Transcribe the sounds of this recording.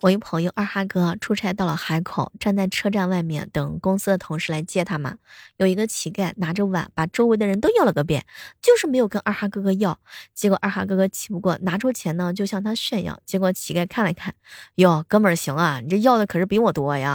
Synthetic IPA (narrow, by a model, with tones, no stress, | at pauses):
wɔ˨˩i˧˩ʊpʰɤ˧˥ŋjo˥˧ʊʔa˞˥˩xa˥kɤ˥ʈ͡ʂʰu˥ʈ͡ʂʰa˥ɪt̪ɑ˥˩ʊlə˩xa˧˥ɪkʰo˨˩˦ʊʈ͡ʂa˥˧nt͡sa˥˩ɪʈ͡ʂʰɤ˥˧ʈ͡ʂa˥˧nwa˥˧ɪmjɛ̰˥˩nt̪ɤ˨˩ŋkʊ˥ŋsɹ̩˥d̪ə˨t̪ʰʊ˧˥ŋʂɻ̩˥la˧˥ɪt͡ɕjɛ˥˩t̪ʰa˥mɐ̰˨jo˨˩ʊi˧˥ɡə˧t͡ɕʰi˧˥ka˥˩ɪna˧˥ʈ͡ʂo˥ʊwa̰˧˥˦npa˨˩ʈ͡ʂo˥ʊwɪd̪ə˧ɻə˧˥nt̪o˥ʊjɑ˥˩ʊlə˩kɤ˧˥˩p̬jɛ̰˥˩nt͡ɕjo˥˧ʊʂɻ̩˥˩me˧˥ɪjo˨˩ʊkə˥nʔa˥˩xa˥kɤ˥kɤ˥jɑ˥˩ʊt͡ɕjɛ˧˥kwɔ˨˩ʔa˥˩xa̰˥kɤ˥kɤ˥t͡ɕʰi̥˨˩pu˧˥kwɔ˥˩na˧˥ʈ͡ʂʰu˥t͡ɕʰjɛ˧˥nə˧t͡ɕjo˥˧ʊɕjɑ˥˩ŋt̪ʰa˥ɕɥɛ˥˧njɑ̰˨˩ʊt͡ɕjɛ˧˥kwɔ˧˩t͡ɕʰi˧˥ka˥˩ɪkʰa˥˩nla˧˥ɪkʰa˥˩njo˥˧˩kɤ˥nmə˞˨˩ɕi˧˥ŋɐ˧ni˨˩ʈ͡ʂə˥˧jɑ˥˩ʊd̪ə˩kʰɤ˨˩ʂɻ̩˥˩pi˧˥wɔ˨˩t̪wɔ˥˧ja̰˧